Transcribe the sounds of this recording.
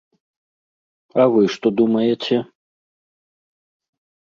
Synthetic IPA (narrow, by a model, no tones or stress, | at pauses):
ɐvɨʂt̪ɔd̪umɐjɛt͡sʲɛ